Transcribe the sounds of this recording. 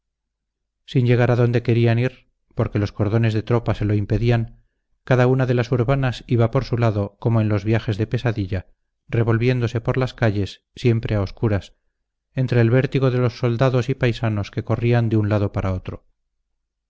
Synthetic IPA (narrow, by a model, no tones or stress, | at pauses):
sinʎe̞ɣ̞aɾaðo̞nd̪e̞ke̞ɾianiɾ | po̞ɾke̞lo̞sko̞ɾðo̞ne̞zðet̪ɾo̞pase̞lo̞impe̞ðiaŋ | kaðaunaðe̞lasuɾβanasiβapo̞ɾsulaðoko̞moenlo̞zβjaxe̞zðe̞pe̞saðiʎa | re̞β̞o̞lβje̞nd̪o̞sepo̞ɾlaskaʎe̞sːje̞mpɾʔe̞ao̞skuɾas | e̞nt̪ɾe̞ːlβe̞ɾt̪iɣo̞ðe̞lo̞sːo̞ld̪aðo̞sipajsano̞ske̞ko̞riand̪eunlaðo̞paɾao̞t̪ɾo̞